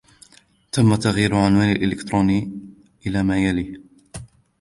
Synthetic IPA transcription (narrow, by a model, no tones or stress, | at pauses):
t̪ʰamːat̪aɣjiːɾʊʕanwaːnalʔɪlɪkt̪ɾuːniː | ʔɪlaːmaːjaliː